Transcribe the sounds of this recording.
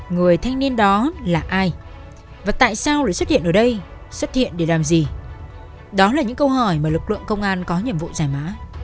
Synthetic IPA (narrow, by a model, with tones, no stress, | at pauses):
ŋɨ˨˩əjt̪ʰa˧jŋ̟ni˧ənɗɔ˨˦laː˨˩ʔaː˧j | vaː˨˩t̪a̰ː˧˨jsaː˧wlaː˨˧˩jswə˦˥t̚hḭ˧˨əʔəː˧˩ɗə˧jswə˦˥t̚hḭ˧˨ənɗe˧˩laː˨˩mzi˨˩ | ɗɔ˨˦laː˨˩ɲɨ̰˧˥ŋkə˧wɦəː˨˩jmaː˨˩lɨ˨˩k̚lɨ̰˧˨əŋkə˧wŋ͡mʔaː˧nkɔ˨˦ɲḭ˧˨əmvṵ˧˨zaː˧˩jmaː˨˦